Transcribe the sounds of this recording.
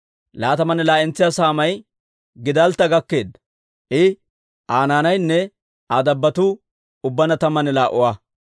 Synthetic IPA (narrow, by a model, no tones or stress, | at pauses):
laːt̪ɐmɐnɛlaːɪnt͡sːɪjaːsaːmɐj | ɡɪd̪ɐlt̪ːɐɡɐkːe̞ːd̪ɐ | ʔɪ | ʔaːnaːnɐjnːɛ | ad̪ɐbːɐt̪ʊ | ʊbːɐnɐt̪ɐmːɐnɛlaːʔʊwa